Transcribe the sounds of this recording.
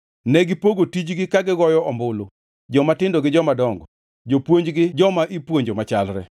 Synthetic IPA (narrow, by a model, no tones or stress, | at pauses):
nɛɡɪpoɡotid͡ʒɡɪkaɡɪɡɔjɔɔmbʊlo | d͡ʒɔmatɪndoɡɪd͡ʒɔmadɔŋɡɔ | d͡ʒopwoɲd͡ʒɡɪd͡ʒɔmaʔipwoɲd͡ʒomat͡ʃalɾɛ